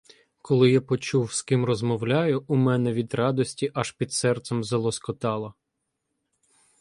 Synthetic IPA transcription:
kɔlˠɪjapɔt͡ʃuwskɪmrɔzmɔwlʲɑjʊumɛnɛʋʲid̪rɑd̪ɔsʲtʲiʔɐʃpʲid̪sɛrt̪sɛmzɐlˠɔskɔt̪ɑlˠɐ

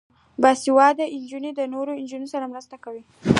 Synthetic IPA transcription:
bɑsiwɑd̪əʔɪnd͡ʒunid̪ənoɾoɪnd͡ʒunosaɾamɾəst̪akawi

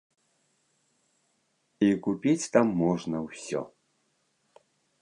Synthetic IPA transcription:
ikupʲit͡sʲt̪amːɔʐnɐwsʲɔ̰

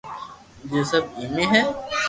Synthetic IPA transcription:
d͡ʒoːsɐbimeɦɛː

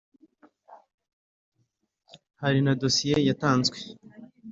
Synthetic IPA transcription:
haɾinado̞sijejataːnzɡwe

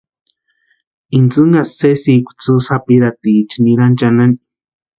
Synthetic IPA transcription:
int͡sɨŋɡasesikʷt͡sɨsapiɾat̪it͡ʃiniɾant͡ʃanani

